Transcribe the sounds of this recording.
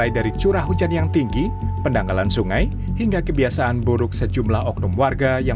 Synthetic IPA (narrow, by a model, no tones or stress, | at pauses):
ajdaɾit͡ʃuɾahɦud͡ʒanjaŋt̪iŋɡipəndaŋalansuŋaj | hiŋɡakəbiasaʔːnbuɾʊk̚səd͡ʒumlahɔk̚nɔmwarɡaja